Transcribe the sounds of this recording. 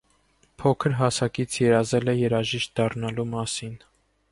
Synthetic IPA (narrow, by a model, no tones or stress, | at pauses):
pʰɔkʰəɾɦɑsɑkit͡sʰjɛɾɑzɛlɛjɛɾɑʒiʃt̪̚d̪ɑrnɑlumɑsin